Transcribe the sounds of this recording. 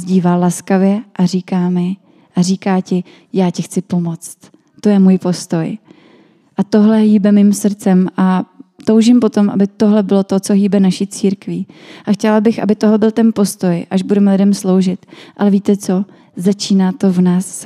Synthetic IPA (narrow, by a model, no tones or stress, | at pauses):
zɟiːvalaskavjɛʔariːkaːmɪ | ʔar̝iːkaːcɪ | jaːcɪxt͡sɪpo̞mo̞t͡st̪ | t̪o̞jɛmuːjpo̞st̪o̞j | ʔat̪o̞ɦlɛɦiːbɛmiːmsr̩t͡sɛmʔat̪owʒimpo̞t̪o̞mʔa̰bɪt̪o̞ɦlɛbɪlo̞t̪o̞t͡soɦiːbɛnaʃit͡siːɾkviːʔaxcɛlabɪxʔa̰bɪt̪oɦlɛbɪlt̪ɛnpo̞st̪o̞jʔaʒbudɛmɛlɪdɛmslo̞wʒɪt̪ʔalɛviːt̪ɛt͡so̞ | zat͡ʃiːnaːt̪o̞vnaːs